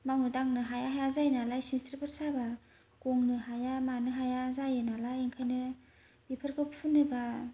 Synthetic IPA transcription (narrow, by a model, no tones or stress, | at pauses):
maŋɯdaŋnɯɦajaɦajazajnalajsinstɾipʰaɾsaba | kɔŋnɯɦajamanɯɦajazajɯnalajeŋkʰajnɯ | ipʰɯɾkʰɯpsʰunɯba